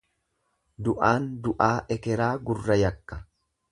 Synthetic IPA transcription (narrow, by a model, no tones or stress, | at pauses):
d̪ʊʔaːnd̪ʊʔaːʔɛkɛɾaːɡʊrːɐjɐkːɐ̥